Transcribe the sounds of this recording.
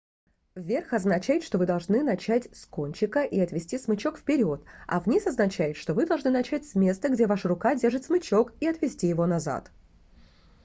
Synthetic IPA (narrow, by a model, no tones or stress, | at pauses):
vʲe̞rxɐznɐt͡ɕæjɪt̪ʂt̪o̞vɨd̪ɐlˠʐnɨnɐt͡ɕætʲsko̞nʲt͡ɕɪkəʔiɐt̪vʲɪsʲtʲismɨt͡ɕo̞kfpʲɪɾʲot̪ɐ̰vnʲisɐznɐt͡ɕæjɪt̪ʂt̪o̞vɨd̪ɐlˠʐnɨnɐt͡ɕætʲsʲmʲe̞st̪əɡdʲe̞vaʂəɾʊkadʲe̞rʐɨt̪ʲsmɨt͡ɕo̞kiɐt̪vʲɪsʲtʲijɪvo̞nɐza̰t̪